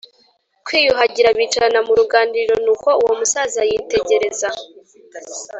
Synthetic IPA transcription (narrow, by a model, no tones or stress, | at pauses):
kwiːjuɦaɟiɾaβiːt͡ʃaɾanamuɾuɡaːndiɾo̞nuːko̞uwo̞musazajiːte̞ɟe̞ɾe̞za